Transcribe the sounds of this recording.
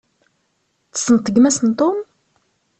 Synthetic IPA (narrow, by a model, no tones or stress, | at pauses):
t͡sə̥snt̪ˤːəɡmæsənt̪ˤom